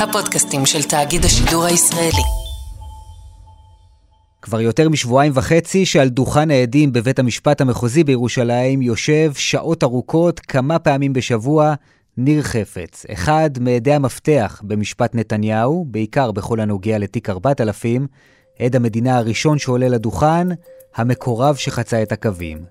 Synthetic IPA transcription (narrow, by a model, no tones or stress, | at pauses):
hapodkastimʃeltaːɡidhaʃiduʁhaisʁaeli | kvaʁjo̞te̞ʁmiʃvuajimvaχe̞t͡siʃealduχanaedimbe̞ve̞tamiʃpathame̞χozibejeʁuʃalaimjo̞ʃe̞vʃaʔo̞taʁukʰo̞tkʰamapeamimbe̞ʃavua | niʁχe̞fe̞̰t͡sḛχadmeːde̞amafte̞aχbe̞miʃpatne̞tanjahube̞ikaʁbe̞χo̞lhano̞ɡeale̞tikaʁbatalafim | ʔe̞dhame̞dinahaʁiʃo̞nʃeo̞leladuχanhame̞kʰo̞ʁavʃe̞χat͡sae̞thakavḭm